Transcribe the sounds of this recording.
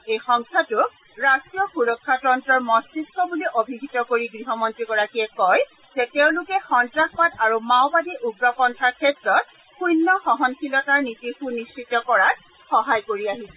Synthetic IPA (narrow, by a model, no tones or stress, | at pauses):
ejxɔŋkʰatʊ | ɹastijɔxuɹɔkʰːatɔntɔɹmɔstisɔbuliʔobʱiɡʱitɔkoɹiɡɹiɦɔmɔntɹiɡɔɹakiɛkɔj | zɛteʊ̃lʊkɛxɔntɹakpadaɹumawbadiʔuɡɹɔpɔntʰaɹkʰɛtɹɔt̚ | xujnːɔxɔɦɔnkʰilɔtaɹnitiɹxunist͡ʃitɔkɔɹat | xɔɦajkoɹiaɦisɛ